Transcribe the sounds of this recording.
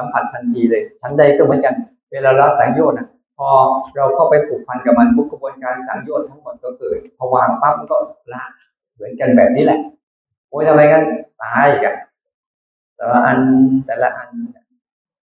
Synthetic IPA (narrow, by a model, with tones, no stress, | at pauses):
sa˨˦mpʰa˨˩t̪̚t̪ʰa˧nt̪ʰiː˧lɤː˧jt͡ɕʰa˦˥nda˧˥˩jkɔ˥˩mɯ˨˩˦ə˦nka˧n | weː˧laː˧la˦˧˥saː˨˩˦ŋjoː˥˩na˧˩ | pʰɔː˧ɾa˧wkʰa˥˩wpa˧jpʰuː˨˩k̚pʰa˧nka˨˩ma˧npʰu˦˥kʰa˧bu˧ənkaː˧nsa̰ː˩˦ŋjoː˥˩t̪ʰːa˦˥˩ŋmo˨˩t̪̚tɔ˧˦kɤː˨˩t̪̚pʰɔ˧waː˧a˧˩ta˦˧˥p̚ma˧˩nkɔː˥˩la˦˧˥ | mɯ˩˦ənka˧nbɛ̰ː˨˩p̚niː˦˥lɛ˨˩ʔ | hoː˨˦˥jt̪ʰa˧mha˧jŋa˧˥˩nt̪aː˧jka˧˩n | t̪ɛː˨˩wa˧˩ʔa˧nt̪ɛː˨˩la˦˥ʔa˧na˧˩